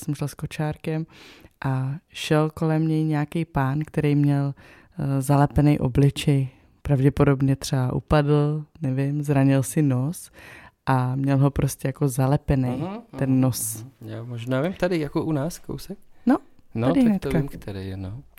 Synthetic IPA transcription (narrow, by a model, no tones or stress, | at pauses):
sɛmʃɛlsko̞t͡ʃaːɾkɛmʔaʃɛlko̞lɛmɲɛjɲɛakejpaːnkt̪ɛɾejmɲɛl | zalɛpɛnɛjʔoblɪt͡ʃɛj | pɾavɟɛpodo̞bɲɛt̪r̝̥ɛbaʔṵpadl̩nɛvɪmzɾaɲɪlsɪnosʔamɲɛlɦo̞pɾʔoscʲɛjako̞zalɛpɛnɛj̪ɛnːosjaːmoʒnaːvimt̪adɪjakoʔunaːsko̰wsɛk̚no | nadɪnɛt̪kamkt̪ɛdɪno